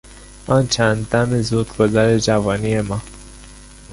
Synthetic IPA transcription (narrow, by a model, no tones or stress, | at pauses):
ɒːnt͡ʃʰænd̪ːæmezud̪̥ɡozaɾed͡ʒævɒːnijemɒː